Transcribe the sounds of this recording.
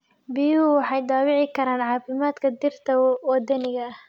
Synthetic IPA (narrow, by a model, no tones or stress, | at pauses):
biːuwɑħɑjd̪aːwɪʕɪkʰɐɾaːnʕɑːfɪmaːd̪kʰɐd̪ɪrt̪ʰɐwɐd̪ɐnɪɣɐh